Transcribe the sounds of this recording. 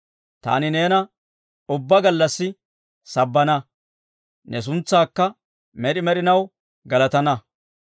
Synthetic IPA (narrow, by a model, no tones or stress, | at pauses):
t̪a̰ːnɪne̞ːnɐ | ʊbːɐɡɐlːɐsːɪ | sɐbːɐnɐ | nʔɛs̬ʊnt͡sːaːkːɐ | mɛɗɪmɛɗɪnɐw | ɡɐlɐt̪ɐnɐ